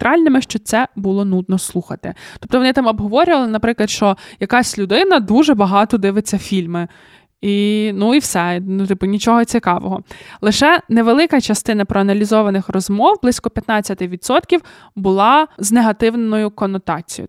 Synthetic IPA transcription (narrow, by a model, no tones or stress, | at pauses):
t̪ɾɑlʲnɪmɪʃt͡ʃɔt̪sɛbulˠɔnud̪̚nɔslˠuxɐt̪ɪ̰t̪ɔp̚t̪ɔʋɔnɪt̪ɑmɐbɦɔʋɔɾʲʊʋɐlˠɪnɐpɾɪklˠɐd̪ʃt͡ʃɔjɐkɑsʲlʲʊd̪ɪnɐd̪uʒɛbɐɦɑt̪ɔd̪ɪʋɪt͡sʲːɐfʲilʲmɪ | inuiwsɛnʊt̪ɪpʊnʲit͡ʃɔɦɔt͡sʲikɑʋɔɦɔlˠɪʃɛneʋelˠɪkɐt͡ʃɐst̪ɪnɐpɾɔɐnɐlʲizɔʋɐnɪxrɔzmɔwblˠɪsʲkɔpʲjɐt̪nɑt͡sʲːɐt̪ɪʋʲid̪sɔt̪kʲiw | bʊlˠɑzneɦɐt̪ɪwnnɔjʊkɔnɔt̪ɑt͡sʲij̰